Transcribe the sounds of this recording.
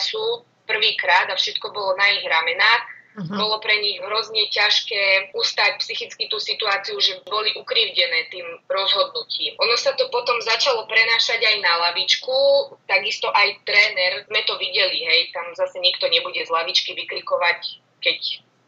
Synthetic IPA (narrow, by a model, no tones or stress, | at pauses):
suː | pr̩ʋiːkɾaːd̪afʃɛt̪kɔbɔlɔnaiɣɾamɛnaːbɔlɔpɾɛɲiɣɦɾɔzɲɛcaʃkɛːust̪ac̚psixit͡skit̪uːsit̪uaːt͡siuʒɛbɔliʔukɾiːʊɟɛnɛːt̪iːmɾɔzɦɔd̪nuciːmʔɔnɔsat̪ɔpɔt̪ɔmzat͡ʃalɔpɾɛnaːʃaɟajnalaʋit͡ʃkut̪aɡist̪ɔʔajt̪ɾɛːnɛɾzmɛt̪ɔʋiɟɛliɦɛjt̪amzasɛɲikt̪ɔɲɛbuɟɛzlaʋit͡ʃkiʋiklikɔʋac | kɛc